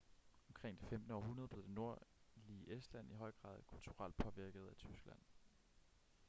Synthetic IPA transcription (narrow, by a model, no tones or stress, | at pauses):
ɒ̽mkʰʁeŋ̰d̥ifemd̥n̩əɒːɦunɐð̥ˠle̝ð̥ˠe̝no̝ɐ̰liʔesd̥læn̰iɦɒ̽ɪ̰ɡ̥ʁɑ̰̈ːðˠkʰult͡sʰuʁɑ̈l̰d̥̚pʰɒ̽ʋiɐɡ̥əð̞̩ˠæt͡sʰysɡ̥læn̰